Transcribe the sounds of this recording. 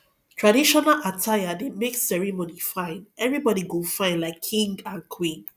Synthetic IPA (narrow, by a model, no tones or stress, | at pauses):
tʰɹadiʃɔnalʔatʰajademeksɛɹɛmonifãɪ̃nɛvɹibɔɾiɡofãɪ̃nlaɪkʰːĩŋɡãnkʰwĩn